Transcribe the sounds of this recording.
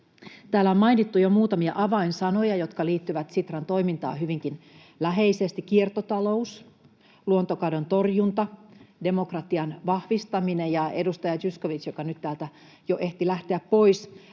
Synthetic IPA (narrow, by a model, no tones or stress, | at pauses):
t̪æːlːæommɑinit̪ːujomuːt̪ɑmiɑʔɑʋɑinsɑno̞jɑjo̞t̪kɑliːt̪ːyʋæt̪sit̪rɑnt̪o̞imint̪ɑ̰ːhyʋiŋkin | læɦe̞isest̪ikkːiert̪ot̪ɑlo̞us | luont̪okɑdont̪o̞rjunt̪ɑde̞mokrɑt̪iɑnʋɑhʋist̪ɑminejɑedust̪ɑjɑt̪ysko̞ʋit͡ʃjokɑnyt̪t̪æːlt̪æ | joʔe̞ht̪ilæht̪eæppo̞is